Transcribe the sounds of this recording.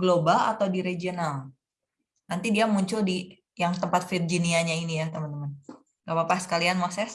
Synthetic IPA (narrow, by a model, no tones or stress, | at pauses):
ɡlobala̰t̪awdiɾed͡ʒional | nant̪idiamuɲt͡ʃʊldi | jaŋt̪əmpat̪̚fird͡ʒiniaɲainijat̪əmənt̪əmən | ɡapapasə̥kalianmasɛs